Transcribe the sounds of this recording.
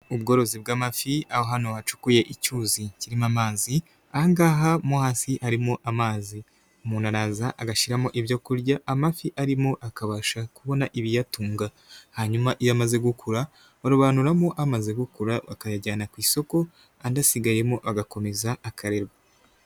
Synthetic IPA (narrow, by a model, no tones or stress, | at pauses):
ubɡo̞ːɾo̞zibɡaːmafiahoɦano̞βat͡ʃu̥kuje̞ʔicuːziciɾimamaːzi | aŋɡaːɦamuhaːsihaɾimoʔamaːzi | umunaɾaːzaʔːɡaʃiɾamoʔiβjo̞kuɾɟaʔːmafiʔaɾimoʔakaβaʃakuβo̞naʔiβijatuːŋɡa | haɲumaʔijamaze̞ɡukʰuɾa | aɾuβaːnuɾamoʔamaze̞ɡukuɾaβakajaɟaːnakwiːso̞ko̞ | andasiɡaje̞moβaɡako̞me̞zaːkʰaɾe̞ɾɡa